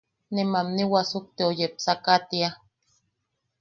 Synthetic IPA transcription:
nemamniwasuk̚t̪eojep̚sakat̪ia

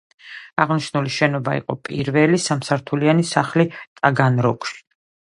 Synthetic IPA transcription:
aʁniʃnuliʃɛnɔbaḭqʼɔ̰pʼiɾvɛlisamsaɾt̪ʰulianisaχlit̪ʼaɡanɾɔkʼʃi̥

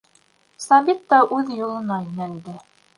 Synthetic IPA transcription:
sɑβit̪ːɑʔʉðjŏlˠɤ̆nɑjinæld̪ɘ

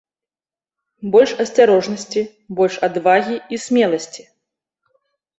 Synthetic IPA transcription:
bɔlʲʂɐsʲt͡sʲaɾɔʐnɐsʲt͡sʲi | bɔlʲʂad̪vaɣʲiisʲmʲɛlˠɐsʲt͡sʲi̥

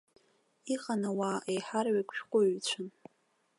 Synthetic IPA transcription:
iχʼanawaːʔejħarɥakʷʰʃᶣqʷʼʊɥt͡ɕʷʰʊn

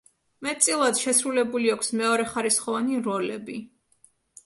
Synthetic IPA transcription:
mɛt̪̚t̪sʼilˠad̪ʃɛsɾulɛbuliakʷʰsmɛɔɾɛχaɾisχɔvaniɾɔlɛbi

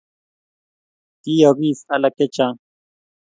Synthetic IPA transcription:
t̪ijoɣiːsɐlɐket͡ɕã

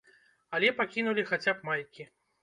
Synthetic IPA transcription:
alʲɛpakʲinulʲixat͡sʲapmalʲkʲi

